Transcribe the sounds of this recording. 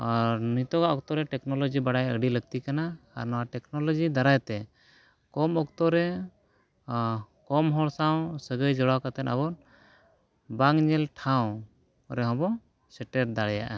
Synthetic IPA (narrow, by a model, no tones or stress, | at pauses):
ɔɾnit̪ɔɡaʔɔk̚t̪ɔɾɛʈɛknɔlɔd͡ʒibaɽajə̰ɖiləɡ̚t̪ikana̰ːɾnɔwaʈɛknɔlɔd͡ʒid̪aɾajt̪ɛ | kɔmɔk̚t̪ɔɾɛ | kɔmɦɔɽsaw̃səɡəjd͡ʒɔɽawkat̪ɛna̰bɔn | baŋɲɛlʈʰaw̃ | ɾɛɦɔ̃bɔ | sɛʈɛɾd̪aɽɛjaʔa